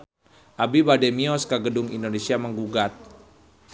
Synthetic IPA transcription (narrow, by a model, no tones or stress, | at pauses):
ʔabibadɛmiɔskəɡədʊŋḭndonesiaməŋɡuɡat̪̚